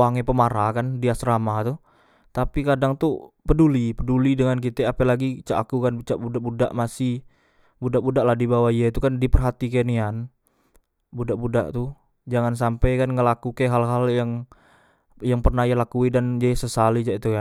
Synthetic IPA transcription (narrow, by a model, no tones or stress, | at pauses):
aŋepəmaɾakandiasɾamat̪u | t̪apikadaŋt̪upədulipədulidəŋankit̪ɛapɛlaɡit͡ʃaʔakukanbət͡ʃaʔbudaʔbuda̰ʔmasi | budaʔbudaʔlahdibawaijait̪ukandipərɦat̪ikenian | budaʔbuda̰ʔt̪u | d͡ʒaŋans̬ampajkanŋəlakukeɦalɦaljaŋ | jaŋpərnajalakuidand͡ʒasəsalit͡ʃaʔit̪ukan